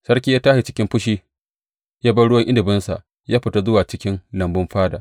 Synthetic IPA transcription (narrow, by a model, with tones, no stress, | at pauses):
sɐ˦rkʲi˦jaː˦taː˦hi˨t͡ʃɪ̥˦kʲɪ˦mɸʊ˦ʃiː˦ | jaː˦bɐ˦ɽʊ˦wɐ˦ŋʔɪ˦dɪ˨bɪ˦nsa̰˨ʔ | jaː˦ɸɪ˨ta˦zʊ˦waː˨t͡ʃɪ˦kʲɪ˦nlɐ˨mbʊ˦mɸaː˦daː˨